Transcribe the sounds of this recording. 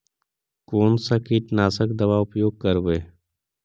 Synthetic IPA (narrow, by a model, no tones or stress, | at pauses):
koːnsakiːʈnaːsəkd̪əʋaːʊpjoːɡ̚kəɾʋeː